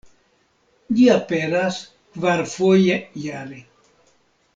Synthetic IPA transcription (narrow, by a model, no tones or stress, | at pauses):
ʎiapeɾas | kvaɾfojejaɾe